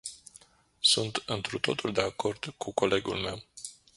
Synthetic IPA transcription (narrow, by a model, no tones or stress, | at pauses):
sunt̪ɨnt̪ɾut̪o̞t̪uld̪e̞ako̞rd̪̥kʰuko̞le̞ɡṵlme̞w